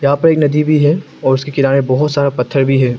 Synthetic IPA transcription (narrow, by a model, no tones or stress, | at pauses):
jɐɦãpɐɾeːknɐd̪ibʱiɦɛ | ɔːɾʊskekɪɾaːnebɔɦʊt̪saːɾapɐt̪ʰːəɾbʱiɦɛː